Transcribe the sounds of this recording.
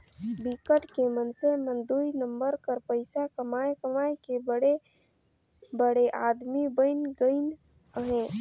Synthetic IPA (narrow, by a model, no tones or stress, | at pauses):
bikəʈkemənsəmənd̪uinəmbəɾkəɾpəɪsakəmajkəmajkebəɽe | bəɽeʔad̪mibəɪnɡəɪn | əɦẽ